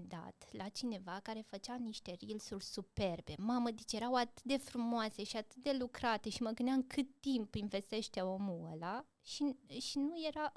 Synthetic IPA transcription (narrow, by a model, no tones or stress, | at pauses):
d̪a̰t̪lat͡ʃine̞vakaɾe̞fət͡ʃaniʃt̪e̞ɾilsurʲsupe̞rbe̞maməd̪it͡ʃje̞ɾawat̪ɨ̥t̪̚d̪e̞fɾumoase̞ʃiat̪ɨ̥t̪̚d̪e̞lukɾat̪e̞ʃiməɡɨnd̪ʲaŋkʰɨt̪ːimpinve̞st̪e̞ʃt̪eo̞muəla | ʃiʃinuje̞ɾa